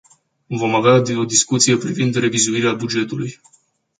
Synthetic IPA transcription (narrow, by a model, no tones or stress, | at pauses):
vo̞maveao̞d̪iskut̪sije̞pɾivind̪re̞vizuiɾeabud͡ʒe̞t̪uluj